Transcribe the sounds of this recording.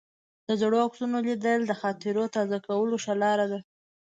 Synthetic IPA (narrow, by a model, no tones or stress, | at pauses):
d̪̥əzɽoaksunolid̪əld̪əxɑt̪ɪɾot̪ɑzakawəloʃalɑɾad̪a